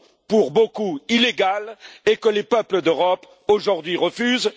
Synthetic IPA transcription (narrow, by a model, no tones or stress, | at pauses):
puʁbokuileɡalekəlepœpləd̪øʁɔp | oʒuʁd̪ɥiʁəfyz